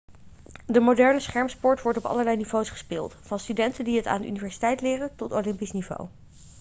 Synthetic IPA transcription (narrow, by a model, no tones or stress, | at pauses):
dəmodɛɹnəsχɛɹmspɔɹtʋɔɹtɔpɑ̰ləɹlɛjniv̥owsχə̥spɪːlˠtfɑnstydɛntəndiɦəta̰ːndə̰ʔynivɛɹsi̥tɛjtlɪːrəntɔtowlɪmpisnivo̰w